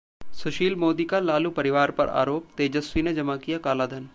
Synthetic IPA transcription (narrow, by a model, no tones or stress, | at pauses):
sʊʃiːlmoːd̪ikalaːlupɐɾɪʋaːɾpɐ̰ɾa̰ːɾoːpt̪eːd͡ʒəswined͡ʒɐmakijakaːlaːd̪ʱɐn